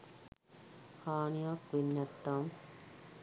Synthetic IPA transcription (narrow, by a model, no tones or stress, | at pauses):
haːnijakʋinːɐt̪ːaːm